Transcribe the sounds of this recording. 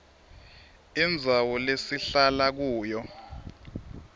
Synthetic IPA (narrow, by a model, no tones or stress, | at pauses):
ind͡zʱawɔlesiɬalak̬uːjɔ